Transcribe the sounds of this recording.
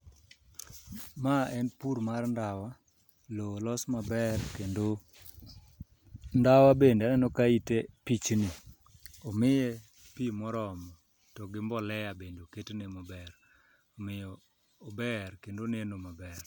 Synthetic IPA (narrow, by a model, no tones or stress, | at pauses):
maɛnpuɾmarndawa | lolɔsmabɛrkendo | ndawabendnɛnɔkaitepit͡ʃni | ɔmɪjɛ | pimɔɾɔmɔ | tɔɡɪmbɔlɛjabendoketenemɔbɛr | ɔmɪjɔː | bɛrkendonenomabɛr